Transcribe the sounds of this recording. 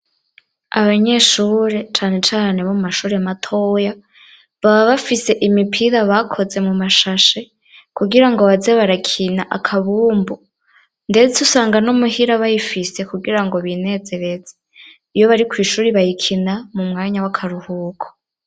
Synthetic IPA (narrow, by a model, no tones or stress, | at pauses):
aβaɲe̞ːʃuːɾe̞t͡ʃaːne̞t͡ʃaːne̞βomumaʃuːɾeamatʰo̞ːja | βaβaβafise̞ʔimipʰiɾaβakʰo̞ze̞mumaʃaʃe̞ | kuɡiɾaŋɡo̞βazeβaɾakʰinaʔa̰kʰaβuːmbu | ndetʰusaːŋɡanomuhiɾaβajifise̞kuɡiɾaŋɡo̞βine̞ːze̞ɾe̞ze | ijo̞βaɾikwiːʃuːɾiβajikʰinamumŋaːɲawakʰaɾuhuːkʰo̥